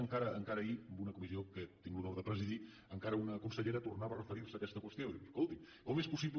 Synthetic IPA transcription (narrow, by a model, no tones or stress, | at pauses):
əŋkaɾəːŋkaɾəiəmbunəkumiziokət̪iŋɡlunoɾðəpɾəziði | əŋkaɾəunəkunsəʎeɾət̪urnaβərəfəɾiɾsəːkɛst̪əkwəst̪joiskolˠt̪i | komespusiβ